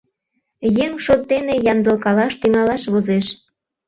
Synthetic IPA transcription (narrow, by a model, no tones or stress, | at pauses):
jeŋʃot̪ːenejɑmd̪ɤ̆lkɑlɑʃt̪yŋɑlɑʃβozeʃ